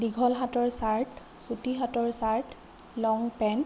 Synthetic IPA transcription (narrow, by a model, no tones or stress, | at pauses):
diɡʱɔlɦatɔɹsaɹt | sutiɦatɔɹsaɹt | lɔŋpɛn